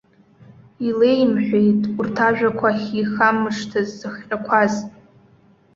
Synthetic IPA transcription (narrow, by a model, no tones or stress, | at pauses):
ile̞jmħʷᶣejtʼurtʰaʒᶣakʷʰaχʲixamɨʂtʰazːɨχʲʷʼakʷʰazʼ